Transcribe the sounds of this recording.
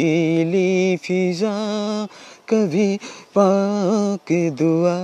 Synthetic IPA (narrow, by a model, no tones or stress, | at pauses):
ilifiza | kɐbʱipa | kid̪ua